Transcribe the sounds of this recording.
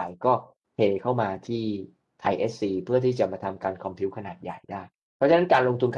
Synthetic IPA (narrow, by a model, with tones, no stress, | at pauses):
a˨˩jkɔː˥˩ | pʰeː˧kʰa˥˩wmaː˧t̪ʰiː˥˩ | t̪ʰa˧jʔeː˦˥s̚siː˧pʰɯ˥˩ɐt̪ʰiː˥˩t͡ɕa˨˩maː˧t̪ʰa˧mkaː˧nkʰɔ˧mpʰi˦˥wkʰa˧naː˨˩t̪̚ja˨˩jdaː˥˩j | pʰɔ˦˥t͡ɕʰa˧na˦˥nkaː˧nlo˧ŋt̪ʰu˧nkʰ